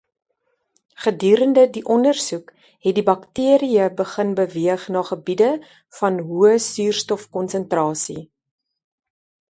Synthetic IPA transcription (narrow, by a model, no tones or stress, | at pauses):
χədyːɾəndədiʔɔndərsuk | ɦɛt̚dibɐktiəɾiəbəχənbəviəχnɑːχəbidə | fɐnɦuəsyːrstɔfkɔnsəntrɑːsi